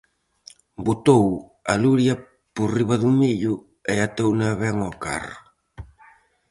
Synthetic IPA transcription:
but̪ow | aluɾja | puriβaðumiʎu | eat̪ownaβɛŋɔka̰r

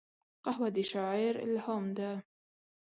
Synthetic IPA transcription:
qɑhwad̪iʃaʕiːɾɪ̰lhoːmd̪a

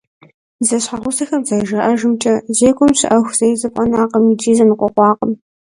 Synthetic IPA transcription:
zɐɕħaʁʷʊsɐxɐmzɐʒɐʔɐʒɨmt͡ʃʼɐzeːkʷʰʼɔmɕɪ̰ʔɐxʷz̥ɐjzɐpʷʼɐnaːqɐmid͡ʒʼiːzɐnɨqʷʼɔqʷɑːqəm

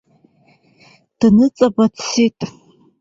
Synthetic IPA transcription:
d̥ɨnɨt͡sʼɐbatsetʼ

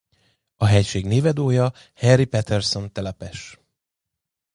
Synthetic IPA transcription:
ɒɦɛjʃeːɡneːvɛd̪oːjɒ | hɛrːipɛt̪ɛrso̞nt̪ɛlɛpɛʃ

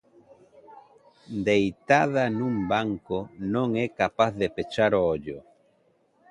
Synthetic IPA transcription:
d̪ejt̪aðanũmbaŋkonõŋɛkapaθðepet͡ʃaɾooʎo

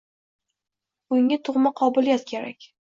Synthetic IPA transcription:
ʊŋɪt̪ʰʊʁmaqʰɒbʊlijat̪kʲʰe̞ɾa̰kʲ

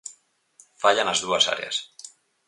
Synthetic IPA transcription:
faʎanazd̪uasa̰ɾea̰s

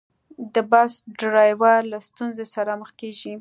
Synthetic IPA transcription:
d̪əbasɖɾɑjwalast̪unzesaɾaməxkeʒi

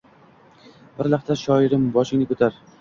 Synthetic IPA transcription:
bɪɾlaqt̪ʰaʃɒɪɾɪmbɒʃɪŋnɪkʰɵt̪ʰaɾ

